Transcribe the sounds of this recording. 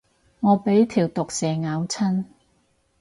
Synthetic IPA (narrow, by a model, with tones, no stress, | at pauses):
ŋɔː˨˧pe˨˥jt̪ʰiː˨˩wt̪ʊ˨k̚sɛː˨ŋaː˨˧wt͡sʰɐ˥n